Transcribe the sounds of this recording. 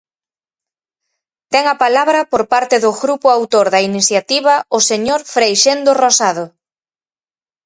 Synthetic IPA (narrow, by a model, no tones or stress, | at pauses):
t̪ɛŋɐpalaβɾɐpoɾpaɾt̪ɪðʊɣɾupʊawt̪oɾðɐiniθjat̪iβ̞ɐʊseɲoɾfɾejʃend̪orosað̞o